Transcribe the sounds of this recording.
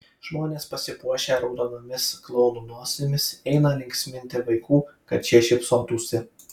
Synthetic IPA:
ʒ̥moːnʲeːspɐsʲɪpuɔʃʲeːɾɐʊd̪ɐnomʲɪsklˠɔʊnuːnuɔsʲɪmʲɪsɛɪnɐlʲɪŋʲksʲmʲɪnʲt̪ʲɪʋɐɪkuːkɐt̪t͡ʃʲiɛʃʲɪpsoːt̪uːsʲɪ

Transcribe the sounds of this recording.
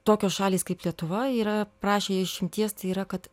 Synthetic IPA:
t̪oːkʲoːsʃɑːlʲiːskɐɪplʲiɛt̪ʊʋɐiːɾɐpɾɑːʃʲeːjɪʃʲɪmʲt̪ʲiɛst̪ɐɪiːɾɐkɐt̪

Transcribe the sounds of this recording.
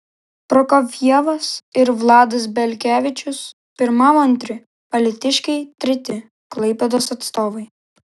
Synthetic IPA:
pɾɔkɐʋʲiɛʋɐsɪɾʋlˠɑːd̪ɐs̬bʲɛlʲkʲæːʋʲɪt͡ʃʲʊs | pʲɪɾmɐmɐnʲt̪ʲɾʲɪ | pɐlʲɪt̪ʲɪʃʲkʲɛɪt̪ʲɾʲɛt̪ʲɪ | klˠɐɪpʲɛd̪oːsɐt̪st̪oːʋɐɪ

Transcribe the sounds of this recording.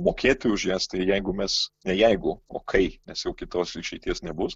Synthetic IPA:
moːkʲeːt̪ojʊʒʲjɛːst̪ɐɪjɛɪɡʊmʲɛsnʲɛjɛɪɡʊo̰ːkʰɐɪnʲɛsjɛʊkʲɪt̪oːsiʃʲɛɪt̪ʲiɛsnʲɛbʊs

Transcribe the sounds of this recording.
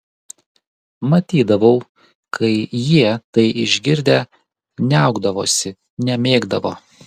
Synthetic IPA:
mɐt̪ʲiːd̪ɐʋɐʊ | kʰɐɪjiɛt̪ɐɪʔɪʒʲɡʲɪɾʲd̪ʲeː | nʲɛˑʊɡd̪ɐʋoːsʲɪ | nʲɛmʲeːɡd̪ɐʋoː

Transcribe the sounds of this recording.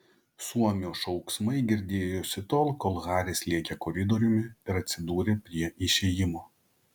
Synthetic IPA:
suɔmʲoːʃɒʊksmɐɪɡʲɪɾʲd̪ʲeːjoːsʲɪt̪oːlˠkolˠɣɑːɾʲeːslʲiɛkʲekɔɾʲɪd̪ɔɾʲʊmʲɪɪɾɐt̪ʲsʲɪd̪uːɾʲeːpʲɾʲiɛʔɪʃʲeːjɪmoː

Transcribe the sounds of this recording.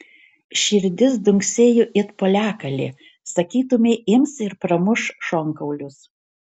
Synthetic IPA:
ʃʲɪɾʲd̪ʲɪsd̪ʊŋʲksʲeːjʊʔɪt̪poːlʲæːkɐlʲḛː | sɐkʲiːt̪ʊmʲeɪmsɪɾpɾɐmʊʃʃɔŋkɐʊlʲʊs

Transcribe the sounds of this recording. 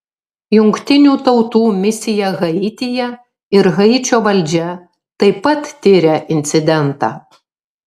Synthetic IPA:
jʊŋʲkt̪ʲɪnʲuːt̪ɒʊt̪uːmʲɪsʲɪjɛɣɐɪt̪ʲɪjɛ | ɪɾɣɐɪt͡ʃʲoːʋɐlʲd͡ʒʲɛ | t̪ɐɪpɐt̪ːʲɪɾʲɛʔɪnʲt̪sʲɪd̪ʲɛnt̪ɑ̰ː

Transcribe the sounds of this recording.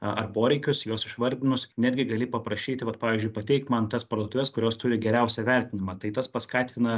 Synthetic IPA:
ɐrpoːɾʲɛɪkʲʊsjoɔsɪʃʋɐɾʲd̪ʲɪnʊsnʲɛd̪ʲɡʲɪɡɐlʲipɐpɾɐʃʲiːt̪ʲɪʋɐt̪̚pɑːʋʲiːzʲd͡ʒʲʊɪpɐt̪ʲɛɪkt̪mɐnt̪ɐspɐɾd̪oːt̪ʊʋʲɛskʊɾʲoːst̪ʊɾʲɪɡʲɛɾʲɛʊsʲɛʋʲɛɾʲt̪ʲɪnʲɪmɑːt̪ɐɪt̪ɐspɐskɑːt̪ʲɪnɐ

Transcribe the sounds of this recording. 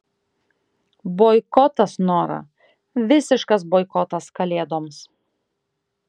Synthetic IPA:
boːɪkɔt̪ɐsnoːɾɐ̰ | ʋʲɪsʲɪʃkɐs̬boːɪkɔt̪ɐskɐlʲeːd̪oːms

